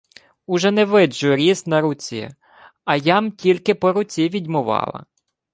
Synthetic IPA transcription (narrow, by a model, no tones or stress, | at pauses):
ʊʒɛnɛʋɪd͡ʒʊɾʲisnɐɾʊt͡sʲḭ | ɐjɑmtʲilʲkɪpɔɾʊt͡sʲiʋʲidʲmʊʋɑ̰lˠɐ̰